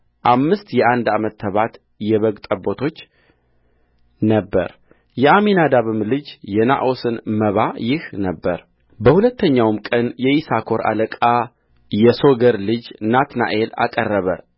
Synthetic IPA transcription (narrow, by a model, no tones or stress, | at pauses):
ʔamːɨst̪jɛʔand̪amət̪ːəβat̪ | jɛβəɡt̪ʼəbo̞t̪ʰo̞t͡ʃː | nəbːə̰ɾ | jɛaminad̪aβɨmlɨd͡ʒjɛna̰ʔo̞sɨnməβajɪhnəbːəɾ | bəhulət̪ʰːəɲːawmkʼənjɛʔisakʰo̞ɾʔa̰ləkʼa | jɛso̞ɡəɾlɨd͡ʒnat̪na̰ʔe̞la̰kʼərːəβə̰